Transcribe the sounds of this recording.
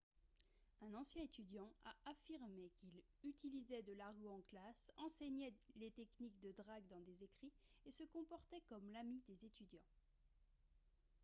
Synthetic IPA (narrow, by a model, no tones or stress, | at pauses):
ɛ̃nɑ̃sjɛ̃et̪yd̪jɑ̃a̰afiʁmekil | yt̪ilizɛd̪əlaʁoɑ̃klasɑ̃sɛɲɛlet̪ɛknikd̪əd̪ʁaɡd̪ɑ̃d̪ezekχiesəkɔ̃pɔʁt̪ɛkɔmlamid̪ezet̪ʰyd̪jɑ̃